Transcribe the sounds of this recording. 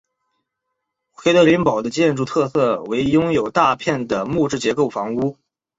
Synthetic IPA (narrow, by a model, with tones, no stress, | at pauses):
xʰwe˧˥ɪd̪ɤ˧˥li˧˥npɑ˨˩ʊd̪ə˦t͡ɕjɛ˥˧nʈ͡ʂu˥˧t̪ʰɤ˥˧sɤ˥˩we˧˥ɪjʊ˥ŋjo˨˩ʊt̪a˥˧pʰjɛ˥˩nd̪ə˩mu˥˧ʈ͡ʂɻ̩˥˩t͡ɕjɛ˧˥ko˥˩ʊfɑ˧˥ŋu˥